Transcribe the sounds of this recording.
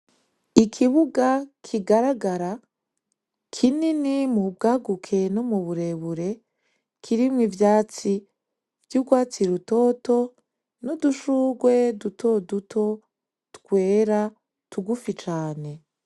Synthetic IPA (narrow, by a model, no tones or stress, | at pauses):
ikʰiβuɡakʰiɡaɾaɡaɾa | kʰininimub̚ɡaːɡukʰe̞nomuβuɾe̞βuɾe̞ | kʰiɾimŋivjaːt͡si | vjuɡwaːt͡siɾuto̞ːto̞ | nuduʃuɡwe̞dutʰo̞dutʰo̞ | tkwe̞ːɾa | tuɡufit͡ʃaːne̞